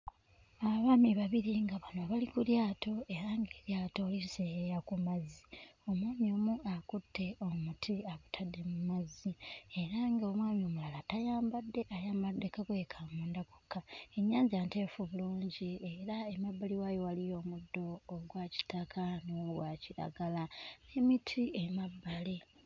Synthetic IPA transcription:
aβaːmiβaβiɾiŋɡaβanoβalikuljaːto̞e̞ɾaŋɡeɾjaːto̞ːliseejakumazio̞mwaːmio̞muʔakutːe̞omutʰiaβutʰadːemumazie̞ɾaŋɡeo̞mwaːmio̞mulalatajaːmbadːe̞ʔajaːmbadːe̞kaɡeekʰamuːndakokːae̞ɲːaːɲzijaːnte̞ːfuβuluːɲɟie̞ɾaemabːaliwajowalijo̞ːmudːo̞ːɡwaci̥takʰanoɡwaciɾa̰ɡalanemitʰiʔemabːali

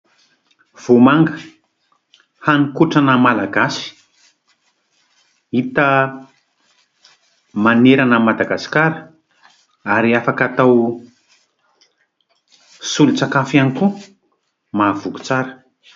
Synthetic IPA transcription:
v̥omaŋɡə̥ | hanikuʈ͡ʂanəmalaɡasi̥ | it̪ə | maneɾanəmad̪aɡasi̥kaɾə | aɾiafakat̪aw | sulut͡sakafaniku | mav̥uɡu̥t͡saɾə̥

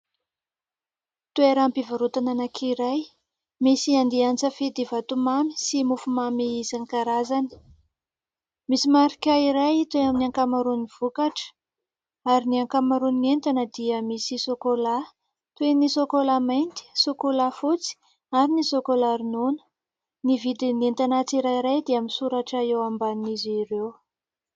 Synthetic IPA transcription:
t̪ueɾampivaɾut̪ananakʰiɾaj | misiand̪iant͡səfed̪ivat̪umami̥simufumameizanikaɾazanə̥ | misimaɾikʲaiɾajit̪weaminiaŋkamaɾuniv̥ukaʈ͡ʂə̥ | aɾiniaŋkamaɾuninent̪anəd̪iəmisisokola | t̪uenisokolamajnt̪i̥sokolafut͡si̥ | aɾinisokolaɾinonə̥ | nivid̪inent̪anat͡siɾaiɾajd̪eaminsuɾaʈ͡ʂaewambaniziɾew

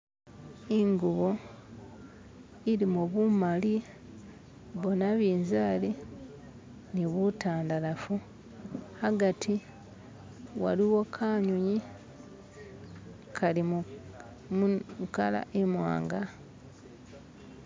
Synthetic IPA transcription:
iŋɡuβo̞ | iɾimuβumali | βo̞naβiːnzaːli | niβutaːndalafu | haɡatʰi | wa̰liwo̞kʰaːɲuɲi | kʰalim | kala̰ʔemwa̰ːŋɡa

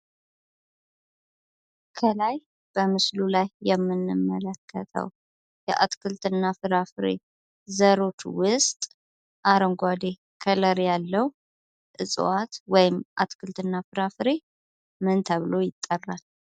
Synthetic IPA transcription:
kʰəlaj | b̥əmɨslulajːɛmːɨnːɨmːələkʰːət̪ʰə̰w | jɛ̰ʔa̰t̪kʰɨlt̪ɨnːafɨɾafɨɾḛ | zəɾo̞t͡ʃwʊst̪ʼ | ʔaɾəŋɡʷad̪e | kʰələɾjalːəw | ʔɨsʼwat̪wɔjɪmʔa̰t̪kʰɨlt̪ɨnːafɨɾafɨɾe | mɨnt̪ʰəβɨlo̞jɪt̪ʼːərːal

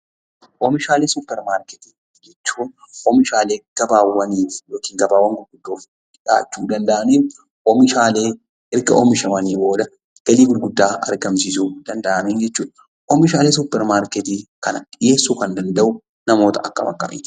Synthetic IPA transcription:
ʔɔmɪʃaːleːsʊpːɛɾmaːɾkɛt̪i | d͡ʒɛt͡ʃːuːn | ʔɔmɪʃaːle̞ːɡ̥ɐbaːwːɐniːfjoːkiːŋɡɐbaːwɐŋɡʊɾɡʊd̪ːoːf | ᶑa̰ːt͡ʃːuːd̪ɐnd̪ɐʔɐniːf | ʔɔmɪʃaːleː | ʔɪɾɡɐʔɔ̰mɪʃɐwɐniːbo̞ːd̪ɐ | ɡ̥ɐliːɡʊɾɡʊd̪ːaːɐ̰ɾɡɐmsiːsuːd̪̥ɐnd̪ɐʔɐmiːnd͡ʒɛt͡ʃːuːᶑɐ | ʔɔmɪʃaːle̞ːs̬ʊpːɛɾmaːɾkɛt̪iːkɐnɐɪje̞ːsːuːkɐnd̪ɐnd̪ɐʔʊ | nɐmo̞ːt̪ɐʔɐ̰kːɐ̰mɐ̰kʼːɐ̰mḭːt̪

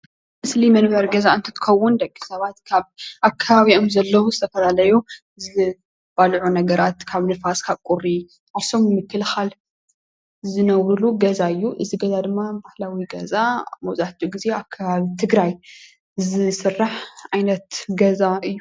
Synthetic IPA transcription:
mɨslimɐnbɐɾɡɐzaɨnt̪ʰɨ̥t̪ʰɨ̥xɐwːʊnd̪ɐkʼːi̥sɐβat̪kʰaβʔakʰːaβaβiomzɐlːɐwuzɨt̪ʰɐfɐlalɐjo | zɨ | b̥alʕunɐɡɐɾat̪kʰaβlɨfaskʰaβkʼurːi | ʔaβsomɨmɨkːɨlxal | zɨnɐwɾuluɡɐzaɨjːuʔɨziɡɐzad̪ɨmːabahlawiɡɐzamɐwt͡sʼaħt̪ʰuɡize̞akʰːaβaβit̪ʰɨɡɾaj | zɨsɨrːaħʕajnɐt̪ɡɐzaɨjːu

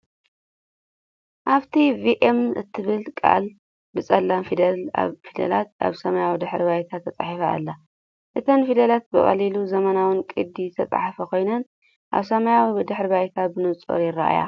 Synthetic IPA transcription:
ʔaβt̪ʰiviʔemɨ̰t̪ʰːɨβɨlkʼa̰l | bɨt͡sʼɐlːamfid̪ɐla̰βfid̪ɐ̰lat̪̚a̰βsɐmajawid̪ɨħɾbajt̪ʰat̪ʰːɐt͡sʼa̰ħifa̰ːlːɐ | ʔɨt̪ʰɐnfid̪ɐlat̪̚bɨχʼɐ̰liluzɐmɐnawɨnkʼɨd̪ːit̪ʰɐt͡sʼa̰ħafɐkʰo̞jnɐn | ʔa̰βsɐmajawid̪ɨħɾbajt̪ʰabɨnɨt͡sʼo̰ɾjɪɾaʔa̰ja̰

